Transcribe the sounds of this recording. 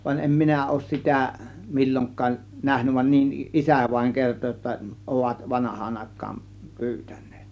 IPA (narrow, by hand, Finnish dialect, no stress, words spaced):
ʋɑnʲ em minæ oˑŭs sitæ milʲːoŋkˑɑːʔ næhnyʋ ʋɑ niʔ ʔisæˑ ʋɑĭŋ kerto jotːɑ oʋɑt ʋɑnɑhˑɑːn ɑˑe̝kˑɑːn pyːtæ̥n̥ˑe̥ːt